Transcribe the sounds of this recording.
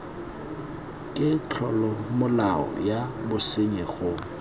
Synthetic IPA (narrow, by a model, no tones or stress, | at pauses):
kʼɪt͡ɬʰɔlɔmʊlaɔ̰jabʊsɪɲɛɣʊ